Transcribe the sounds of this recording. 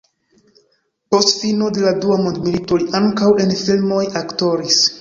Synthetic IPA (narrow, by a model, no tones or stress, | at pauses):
po̞stfino̞de̞laduamondmilito̞liʔaŋkawe̞nfilmo̞jakto̞ɾis